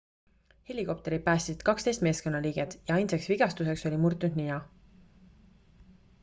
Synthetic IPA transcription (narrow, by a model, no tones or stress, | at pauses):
he̞lʲiko̞p̚t̪e̞ɾi̥pæːst̪isid̪̥̚kɑkst̪e̞jst̪me̞ːsko̞nːɑliːɡ̥e̞t̪jɑɑjnseksviɡ̥ɑst̪use̞kso̞lʲimurt̪ːˑund̪ninɑ